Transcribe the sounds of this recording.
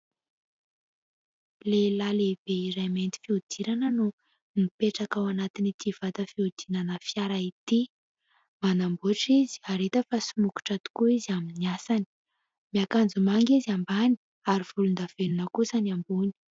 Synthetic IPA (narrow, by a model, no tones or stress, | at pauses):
lelaleb̥eiɾajment̪i̥fiud̪̥iɾanənu | mipeʈ͡ʂakawanat̪init̪ʰiv̥at̪əfiud̪̥inanəfjaɾait̪i | manambuʈ͡ʂizi̥aɾet̪əfasunuku̥ʈ͡ʂat̪u̥kuiziaminiasani̥ | miakand͡zumaŋɡizambani̥ | aɾiv̥ulund̪av̥enunəkusanambuni̥